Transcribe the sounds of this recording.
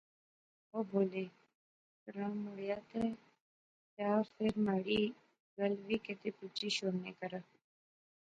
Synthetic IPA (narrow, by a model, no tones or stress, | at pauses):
oːboːleː | kɾãːmʊɽjaːt̪e | jaːfʰɪɾmaːɽiː | ɡəlʋiːket̪eːput͡ʃiːʃoːneːkəɾə